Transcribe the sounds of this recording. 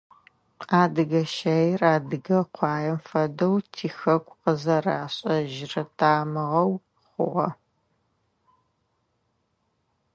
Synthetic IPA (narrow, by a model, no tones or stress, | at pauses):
aːdɨɣɐʃɐjraːdɨɡɐqʷʰɑːjɛmfɐdɐwtʰiːxɐkʷʰʼqəzɐraːɕʼɐʒɪrɐtʰaːmɨʁɐw | χʷʊ̰ʁɐ̰